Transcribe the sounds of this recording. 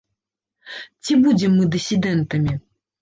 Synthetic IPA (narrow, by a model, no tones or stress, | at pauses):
t͡sʲibud͡zʲɛmːɨd̪ɨsʲid̪ɛnt̪ɐmʲi